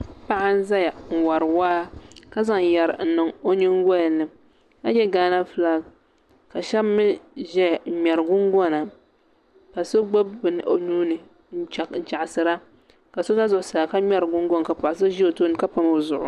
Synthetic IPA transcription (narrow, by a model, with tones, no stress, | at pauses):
pa˦ʔa˦n̩˦za˦ja˨ŋ̩˨wa˨ɾɨ˨waː˦ka˦za˨ŋjɛ˨ɾɨ˨n̩˨nɨ˨ŋo˦ɲɪ˦ŋ˦ɡɔ˦˨nɨ˨ | ka˦ɲɛ˦ɡaː˦na˦fɨ˦la˦ | ka˨ʃɛ˦bmɨ˦ʒɛ˦˨mʲɛ˨ɾɨ˨ɡʊ˦ŋɡɔ˦na˨ | pa˨so˦ɡ͡bo˦bːɨ˨nɨ˨ʔo˦nuː˦nɨ˨ | n̩˦t͡ʃa˨kn̩˨t͡ʃa˨ʔsɨ˨ɾa˦ | ka˨so˦za˦zʊ˨ʔsaː˨ka˦mɛ˦ɾɡʊ˦ŋɡɔ˦n˨ka˨pɔ˨ʔa˨s̬ɨ˦ʒi˦o˨to˦˨nɨ˨ka˦pa˦mo˨zʊ˨ʔʊ̰˨